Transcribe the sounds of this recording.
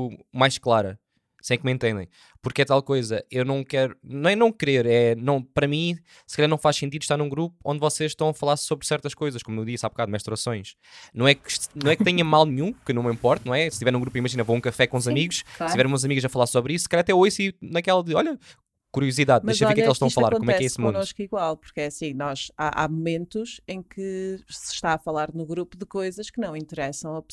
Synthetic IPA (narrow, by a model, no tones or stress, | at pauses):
majʃklˠaɾɐ | sẽj̃k̚mẽnt̪ẽnd̪ɐ̰̃j̃ | puɾkɛt̪alˠkojzɐʔewnɐ̃w̃kɛɾunɐ̃w̃ɛnɐ̃w̃kɾeɾɛnɐ̃w̃pɐɾɐmĩ | sɨ̥kɐʎaɾnɐ̃faʃsẽnt̪iðuʃt̪aɾnũɡɾupu̥õ̰nd̪vɔseʃʃt̪ɐ̃w̃ɐfɐlˠaɾsoβɾsɛɾt̪ɐʃkojzɐʃkomuud̪isaβbkaðmɛʃt̪uɾɐsõj̃ʃ | nɐ̃w̃ɛkʃnɐ̃w̃ɛk̚t̪ɛɲɐ̃malˠnɨɲũkɨnɐ̃w̃mĩmpɔɾt̪ɐnɐ̃w̃ɛsɨʃt̪ivɛɾnũɡɾupimɐʒinɐvoũkɐfɛkõuzɐmiɣuʃt̪ivɛɾ̃ũzɐmiɣuʃɐfɐlˠaɾsoβɾisu̥skɛjʎaɐt̪ɛojsinɐkɛlˠɐðɨɔʎɐ | kuɾiuziðaðd̪ezʃɐɔekkkelˠʃt̪ɐ̃w̃ʃɐflɐaɾkkomɛɛkɛesmũoʃkiɣwalˠpu̥ɾkɛɐsĩnɔʒ̥a̰ʔa̰mumẽnt̪uʃẽj̃kɨsɨ̥ʃt̪aɐfɐlˠaɾnuɣɾupuðɨkojzɐʃkɨnɐ̃w̃ĩnt̪ɨɾɛsɐ̃w̃ɐp